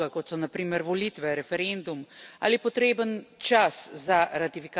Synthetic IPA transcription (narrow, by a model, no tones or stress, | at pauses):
akɔt̪sɔnapɾiːməɾʋɔliːt̪ʋɛɾɛfɛɾend̪uma̰ːlipɔt̪ɾeːbənt͡ʃaszaɾat̪ifika